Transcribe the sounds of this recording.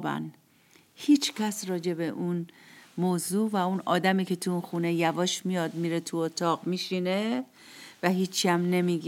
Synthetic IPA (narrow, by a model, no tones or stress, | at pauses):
bæ̰n | hiːt͡ʃʰcʲʰæsɾɒːd͡ʒe̞be̞ʔunmoːzuːvæunɒːd̪æmiːcʰe̞t̪ʰuunxuːne̞jævɒːʃmijɒːd̪miɾet̪ʰuot̪ʰɒːɣmiʃine̞ | væɦiːt͡ʃʰːiæmne̞miɡ